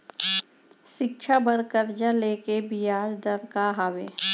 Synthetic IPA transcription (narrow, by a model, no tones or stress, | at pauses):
ʃɪkʃʰabəɾkəɾd͡ʒaleːkebijaːd͡ʒd̪əɾkaɦaweː